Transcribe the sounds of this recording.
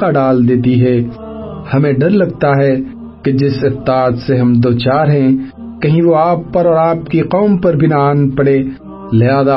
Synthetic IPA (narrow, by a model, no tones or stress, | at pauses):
aɖaːld̪eːt̪iɦɛ | hɐmẽɖɐɾlɐɡ̚t̪aɦɛ | ked͡ʒɪsɪq̚t̪ɪaːt̪seɦɐmd̪oːt͡ʃaːɾɦɛ̃ | kɐɦĩʋoaːpːɐɾɔːɾaːpkiqɔːmpɐɾbʱinaaːnpɐɽe | lɪɦaːza